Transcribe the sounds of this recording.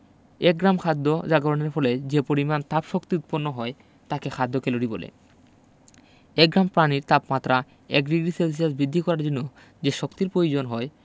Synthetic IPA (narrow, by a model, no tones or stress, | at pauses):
ek̚ɡɾamkʰad̪ʱːod͡ʑaɡoɾaneɾfɔled͡ʑepoɾimant̪apʃokt̪iut̪̚ponːoɦɔe | t̪akekʰad̪ːokeloɾibolḛ | ɛk̚ɡɾampɾaniɾt̪apmat̪ːɾa | ɛkd̪iɡɾisels̬iasbid̪ʱːikɔɾaɾd͡ʑonːo | d͡ʑeʃokt̪iɾpɾojod͡ʑonɦɔe